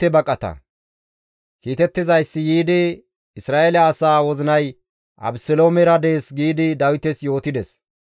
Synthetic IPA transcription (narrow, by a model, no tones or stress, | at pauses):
ɛbɐkʼːɐt̪ɐ̰ | kiːt̪ɛt̪ːɪzɐjsːɪjiːd̪ɪ | ɪsɾaːʔelɐɐsaːwɔzɪnɐj | ʔɐ̰bsɔloːmɛɾɐd̪e̞ːsɡiːd̪ɪd̪ɐwɪt̪ɛsjo̞ːt̪ɪd̪ɛs